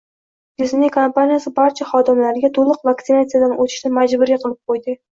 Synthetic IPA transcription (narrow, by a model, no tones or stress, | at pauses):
ɡʲɪznikʰompanijasɪbaɾt͡ʃʰaχɒd̪ɪmlaɾɪɡʲat̪ʰolˠɨqvakt̪ɪnat̪sijad̪anot̪ʰɪ̥ʃnɪmad͡ʒbʊɾiqʰɨlˠɪp̚qʰojd̪ɪ